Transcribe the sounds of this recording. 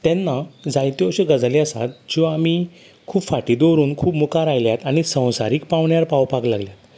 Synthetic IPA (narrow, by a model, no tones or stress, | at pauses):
t̪ɛnːad͡zajt̪joɕeɡəd͡zleəsa̰t̪̚d͡ʑĩʋaːmi | kʰuːpfaʈid̪oɾuːnkʰuːbmukaɾajljat̪aɽ̃ñisə̃w̃sa̰ɾiːk̚paʋɳjaɾpawpaklaɡljat̪